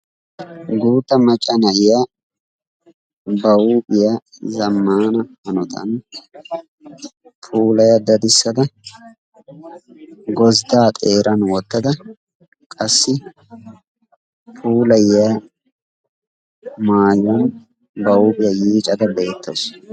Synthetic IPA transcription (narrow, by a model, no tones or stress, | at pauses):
ɡuːt̪ːɐmɐt͡ʃʼːɐnɐjɪja | bɐwuːbʼɪjazɐmːaːnɐhɐnɔt̪ʰɐ̰n | pʰuːlɐjɐd̪ɐd̪ɪsːɐd̪ɐ | ɡɔzd̪aːt̪ʼeːɾʔɐnwɔt̪ːɐd̪ɐ | kʼɐsːɪ | pʰuːlɐjja | maːjɔn | bɐwuːbʼɪjɐjiːt͡ʃʼɐd̪ɐbe̞ːt̪ʰːos